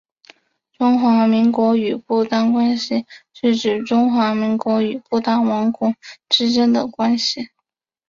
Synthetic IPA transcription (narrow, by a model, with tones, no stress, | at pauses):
ʈ͡ʂʊ˥ŋxwa˧˥mi˧˥ŋkwɔ˧˥y˨˩pu˥˩t̪a˥ŋkwa˥nɕi˨ʂɻ̩˥˩ʈ͡ʂɻ̩˨˩ʈ͡ʂʊ˥ŋxwa˧˥mi˧˥ŋkwɔ˧˥y˨˩pu˥˩t̪a˥ŋwɑ˧˥ŋkʊ˥˩ŋʈ͡ʂɻ̩˥ʈ͡ʂə˥nd̪ə˨kwa˥nɕi˨